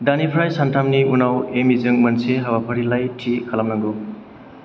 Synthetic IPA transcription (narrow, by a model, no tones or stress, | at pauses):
danipʰɾajsantʰamniunawemizɯŋmɐnseɦabapʰəɾilajtʰikʰalamnaŋɡo